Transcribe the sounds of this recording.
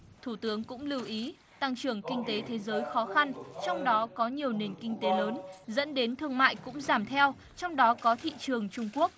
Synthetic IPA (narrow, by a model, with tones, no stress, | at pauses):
t̪ʰu˧˩t̪ɨ˨˦əŋkʊ̰˧˥ŋ͡mlɨ˧wʔi˨˦ | t̪a˧ŋt͡ɕɨ˧˩əŋkï˧ŋ̟t̪e˨˦t̪ʰe˨˦zəː˨˦jxɔ˨˦xa˧nt͡ɕɔ˧wŋ͡mɗɔ˨˦kɔ˨˦ɲi˨˩əwne˨˩ŋ̟kï˧ŋ̟t̪e˨˦ləː˨˦nzə̰˧˥nɗe˨˦nt̪ʰɨ˧əŋma̰ː˧˨jkʊ̰˧˥ŋ͡mzaː˧˩mt̪ʰɛ˧w | t͡ɕɔ˧wŋ͡mɗɔ˨˦kɔ˨˦t̪ʰḭ˧˨t͡ɕɨ˨˩əŋt͡ɕʊ˧ŋ͡mku˦˥ək̚